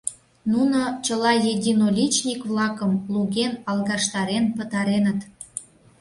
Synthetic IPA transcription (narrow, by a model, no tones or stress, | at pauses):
nunot͡ɕəlɑjedʲinolʲit͡ɕnʲikβlɑkəmluɣenɑlˠɣɑʃt̪ɑɾenpət̪ɑɾenət̪